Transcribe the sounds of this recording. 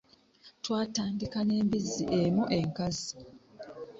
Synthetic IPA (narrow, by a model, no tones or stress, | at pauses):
twaːtaːndikane̞ːmbizːiʔemuʔe̞ŋkazi